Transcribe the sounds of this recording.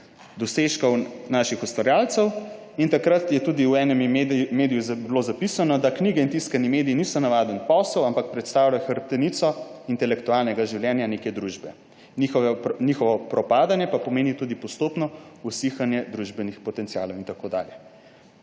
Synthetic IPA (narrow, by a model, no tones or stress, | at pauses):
d̪ɔseʃkɔwnaːʃixust̪ʋaɾjaːlt̪sɛw | int̪akɾat̪jɛt̪ud̪iuwɛːnɛmmeːd̪ijuzblozapisanɔd̪akniɡɛint̪iskanimeːd̪ijinisɔnaʋad̪ənpɔsəwampak̚pɾɛt̪st̪aːwlajxəɾp̚t̪ɛnit̪sɔint̪ɛlɛkt̪ualnɛɡaʒiwljɛnjanekɛd̪ɾuʒbɛ | nixɔnixɔʋɔpɾɔpaːd̪anjɛpapɔmeːnit̪ud̪ipɔst̪oːpnɔusixanjɛd̪ɾuʒbɛnixpɔt̪ɛnt̪sija̰ːlɔwint̪akoːd̪a̰ːljɛ